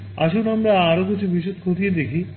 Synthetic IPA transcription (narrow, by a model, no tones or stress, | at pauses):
a̰ʃunamɾaaɾokit͡ɕʰubʱiʃot̪̚kʰot̪ijed̪ekʰi